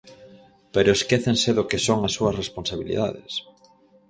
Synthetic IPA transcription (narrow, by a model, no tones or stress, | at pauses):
peɾoeskeθenseðokesoŋasːuɐsrespõnsaβ̞ilḭða̰ðḛs